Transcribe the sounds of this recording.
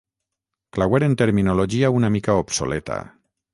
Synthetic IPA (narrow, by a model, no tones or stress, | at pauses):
klaweɾent̪eɾminoloʒiaunamikaopso̰let̪a̰